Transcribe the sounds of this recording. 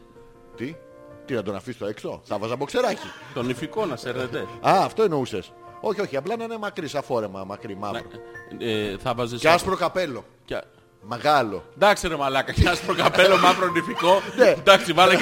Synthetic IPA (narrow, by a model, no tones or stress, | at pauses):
t̪i | t̪inɐd̪o̞nɐfisi̥t̪oekst̪o̰θɐvɐzɐpo̞kse̞ɾɐcit̪o̞nifiko̞nɐseɾnet̪eɐːft̪o̞inouses | o̞çio̞çiɐplɐnɐnemɐkɾisɐfo̞ɾe̞mɐmɐkɾimɐ̰ɾo̰ | θɐvɐzeseɐspɾo̞kape̞lo̞ | c | me̞ɣɐlo̞̰d̪ɐkseɾemalɐkɐceɐspɾokɐpelomɐvɾonifikoned̪ɐksivɐle